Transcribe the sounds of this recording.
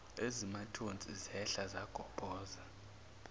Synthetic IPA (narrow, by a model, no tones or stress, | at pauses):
ezimatʰʼont͡sʼizɛɬazaɡ̥ʱɔb̥ʱʼɔːza